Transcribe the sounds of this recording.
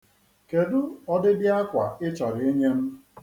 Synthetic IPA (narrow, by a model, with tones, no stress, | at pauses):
ke˨dʊ˦ɔ˦dɪ˦dɪ˦a˦kʷa˨ɪ˦t͡ʃɔ˨ɾɪ˨e˦ɲe˦m̩˦